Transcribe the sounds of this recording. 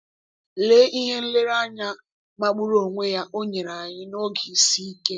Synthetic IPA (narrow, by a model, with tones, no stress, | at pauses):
le˦ʔi˦ɦe˦n̩˦le˦ɾa˦ɲa˦ | ma˦ɡ͡bu˦ɾo˨ŋʷe˦ja˦ʔo˦ɲe˨ɾa˨ɲɪ˦no˦ɡi˨si˦i˦ke˦